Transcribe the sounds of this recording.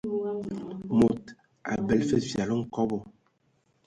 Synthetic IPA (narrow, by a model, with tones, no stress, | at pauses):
mo˨t | a̰˨bɛ˨lfe˦fja˨lo˦ŋ̩˦˨kɔ˦bɔ˨